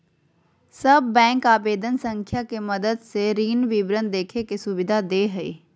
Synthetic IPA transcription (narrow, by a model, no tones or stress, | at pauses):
sɐbːɛ̃ːŋkaːbeːd̪ənsə̃ŋkʰjakeməd̪əd̪seɾiːnʋibɾə̃nd̪eːkʰekesʊʋɪd̪ʱad̪eːɦɐḭː